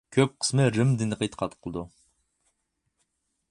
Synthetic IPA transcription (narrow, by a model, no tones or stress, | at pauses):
kʲʰøp̚qʰə̥smɨɾɨmd̪ɨnɨqʰəjt̪qʰɑt̪qʰəlˠd̪u